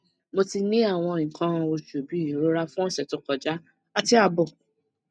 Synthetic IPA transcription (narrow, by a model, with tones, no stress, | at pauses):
mo˧ti˧nĩ˦a˦˨w̃ɔ̃˧ĩ˨kã˧o˧ʃu˨bi˨˦i˦˨ɾo˦ɾa˦fũ˦ɔ˦sɛ˨to˨˦kɔ˨d͡ʒa˦ | a˧ti˧a˧bɔ˦˨